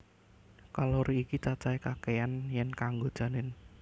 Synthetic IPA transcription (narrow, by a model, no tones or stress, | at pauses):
kaloɾiikit͡ʃat͡ʃaikakeanjɛnkaŋɡod̥ʒ̥a̤nɪn